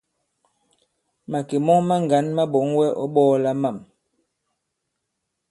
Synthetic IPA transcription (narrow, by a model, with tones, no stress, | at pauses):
ma˨ke˨mɔ˦ŋma˦ŋ˨ɡa˨˦nma˦ɓɔ˨˦ŋwɛ˦ʔɔ̰˦ɓɔː˦la˦ma˦˨m